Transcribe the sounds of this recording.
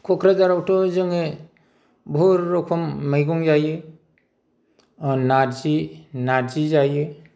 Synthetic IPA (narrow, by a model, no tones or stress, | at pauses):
kʰɔkʰɾazaɾawtɔzɯŋɯ | bʱɔɾːɔkʰɔmːɯjɡɔŋzajɯ | naɾzinaɾzizajɯ